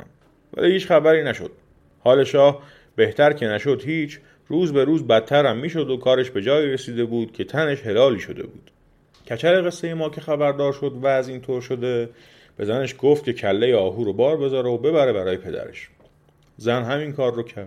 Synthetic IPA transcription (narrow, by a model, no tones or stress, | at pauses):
væ̰liːhiːt͡ʃχæbæɾiːnæʃod̪̥̚ | hɒːle̞ʃɒːh | b̥e̞ht̪ʰæɾcʰe̞næʃo̞d̪hiːt͡ʃʰ | ɾuːzbe̞ɾuːzbæt̪̚ʰːæɾæmːiːʃo̞d̪okʰɒːɾe̞ʃbe̞d͡ʒɒːjiːɾesiːd̪e̞buːd̪̥̚cʰe̞t̪ʰæne̞ʃhe̞lɒːliːʃo̞d̪e̞̰bṵːd̪̥ | cʰæt͡ʃʰæɾeɣe̞sːe̞je̞mɒːcʰe̞xæbæɾd̪ɒːɾʃo̞d̪væːziːnt̪ʰoːɾʃod̪e̞ | b̥e̞zæne̞ʃɡoːft̪̚cʰe̞cʰælːe̞jeɒːɦuːɾobɒːɾbe̞zɒːɾeobe̞bæɾe̞bæɾɒːje̞pʰe̞d̪æ̰ɾḛʃ | zænɦæminkʰɒːrːocʰæɾ